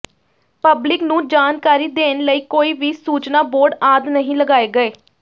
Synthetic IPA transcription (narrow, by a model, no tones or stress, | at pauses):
pəblɪknũːd͡ʒaːnkaːɾiːd̪eːnləiːkoːiːʋiːsuːt͡ʃnaːboːɾɖaːd̪nəɦĩːləɡaːeːɡəeː